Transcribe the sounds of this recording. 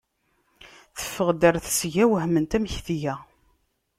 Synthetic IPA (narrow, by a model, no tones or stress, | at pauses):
θə̥fːəʁd̪əɾθsʝæwəɦmənt̪æmçθjæ